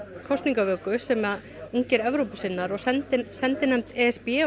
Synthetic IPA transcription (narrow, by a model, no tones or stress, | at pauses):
kʰɔwst̪niŋkavœːkʏsɛma | uɲcɪɾɛvɾowpʏsɪnːaɾɔɣsɛnt̪ɪsɛnt̪ɪnɛm̥t̪ɛɛspɛ